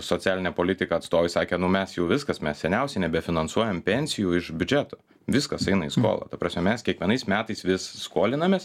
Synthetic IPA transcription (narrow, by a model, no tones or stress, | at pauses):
sot͡sʲæːlʲɪnʲɛpoːlʲɪt̪ʲɪkɐɐt̪st̪oːʋɪsɑːkʲeːnʊmʲɛsjɛʊʋʲɪskɐsmʲɛssʲɛnʲɛʊsʲɛɪnʲɛbʲɛfʲɪnɐnsuɔjɛmpʲɛnʲsʲɪjuɪʃbʲʊd͡ʒʲæt̪oː | ʋʲɪskɐsɐɪnɐḭːsko̰ːlˠɐ̰t̪ɐpɾɑːsʲmʲɛmʲɛskʲiɛkʋʲiɛnɐɪsmʲæːt̪ɐɪsʋʲɪsskoːlʲɪnɐmʲeːs